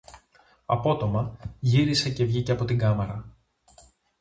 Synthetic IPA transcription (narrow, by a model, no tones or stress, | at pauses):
ɐ̰po̞t̪o̞mɐʝiɾise̞ce̞vʝice̞ɐpo̞t̪iŋɡɐmeɾɐ